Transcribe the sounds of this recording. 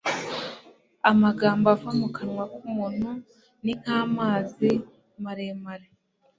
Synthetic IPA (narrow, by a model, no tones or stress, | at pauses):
amaɡaːmboafamukʰanwakumuːn̥hu | niŋ̥haːmaːzi | maɾemaɾe